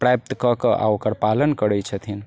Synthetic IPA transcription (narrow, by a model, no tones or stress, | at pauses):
pɾajp̚t̪kəkəʔa̰okəɾpalənkəɾɛt͡ʃʰət̪ʰin